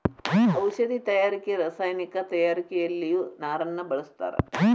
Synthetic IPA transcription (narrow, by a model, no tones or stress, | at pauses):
ɐwʃɐd̪it̪ɐjaːɾikeɾaːsaːjnikɐt̪ɐjaːɾikejɐlːijunaːɾɐnːɐbɐɭɐst̪a̰ːɾḛ